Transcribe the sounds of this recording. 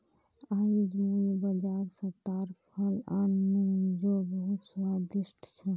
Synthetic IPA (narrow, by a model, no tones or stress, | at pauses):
ajd͡ʒmebəd͡ʒaɾsə̃t̪aɾpʰəlanmed͡ʒobəɦut̪swad̪isʈʰt͡ʃʰɛ